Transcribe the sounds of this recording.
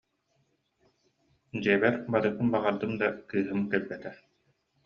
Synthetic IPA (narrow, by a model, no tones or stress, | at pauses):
d͡ʑiːbɛɾbaɾɯkɯmbaʁaɾd̪ɯmd̪akɯːɦɯmkɛɾbɛt̪ɛ